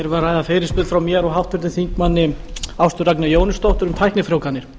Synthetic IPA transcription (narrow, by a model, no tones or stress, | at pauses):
ɛɾvarːaːjðafeːjɾɪspʏːðfɾawmjɛɾɔɣɦawht̪ʰʏɾt̪ɪθiŋkmanːɪawst̪ʏrak̚nʏjoːwnɪst̪owht̪ʏɾʏmt̪ʰajhknɪfɾowkanːɪɾ̥